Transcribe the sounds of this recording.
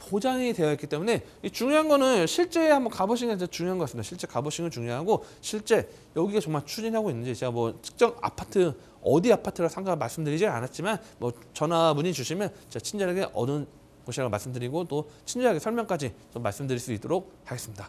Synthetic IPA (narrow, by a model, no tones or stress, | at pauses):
pod͡ʑaŋite̞jʌik͈it͈e̞mune̞ | it͡ɕuŋjoɦanɡʌnɯnɕʰiɭt͡ɕ͈e̞hambʌnkaboɕ̬ʰiŋɯat͡ɕuŋjoɦanɡk͈asɯmidaɕʰiɭt͡ɕ͈e̞kaboɕʰiŋɯɭt͡ɕuŋjoɦaɡo | ɕʰiɭt͡ɕ͈e̞ | jʌɡiɡat͡ɕʌŋmaɭt͡ɕʰud͡ʑinɦaɡoinːɯɲd͡ʑit͡ɕe̞ɡamwʌt͡ɕʰɯ̥k̚t͡ɕ͈ʌɡa̰pʰatʰɯ | ʌdiapʰatʰɯɾasʰaŋɡamaɭs͈ɯmdɯɾid͡ʑia̰nat̚t͡ɕ͈imanmwʌ | t͡ɕʌnabuɲit͡ɕuɕʰimjʌnt͡ɕeat͡ɕʰind͡ʑaɾaɡe̞ʔʌdɯn | koɕʰiaɡamaɭs͈ɯmdɯɾiɡot͈ot͡ɕʰind͡ʑaɾɦaɡesʰʌɭmjʌŋk͈ad͡ʑit͡ɕʌmːaɭs͈ɯmdɯɾiɭs͈oit͈oɾok̚haɡe̞s͈ɯmɲida